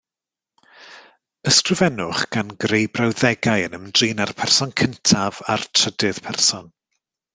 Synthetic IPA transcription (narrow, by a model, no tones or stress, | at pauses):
əskrɪvɛnʊχɡ̥anɡrejbrawðɛɡajənəmdriːnarpʰɛrsɔnkʰəntʰava̰rtʰr̥ədɪð̥pʰɛrsɔn